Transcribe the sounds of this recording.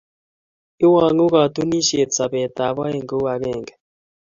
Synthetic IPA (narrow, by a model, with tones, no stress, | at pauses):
i˦wa˨ŋu˦ɣa˨t̪u˦ni˦ʃe˨t͡sa˨βɛ˨t̪a˨βa˦e˨ŋɡo˦wa˨ɣɛː˦˨ŋɡɛ